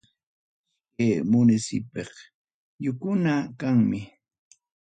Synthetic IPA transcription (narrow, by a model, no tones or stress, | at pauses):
kemʊnɪsɪ̰peq | jʊkʊnakaŋmɪ